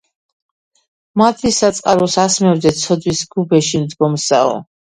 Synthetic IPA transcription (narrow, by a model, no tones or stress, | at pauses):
mad̪ʰlisat̪sʼqʼaɾɔsasmɛvd̪ɛt̪sʰɔd̪wisɡubɛʃimd̪ɡɔmsa̰ɔ̰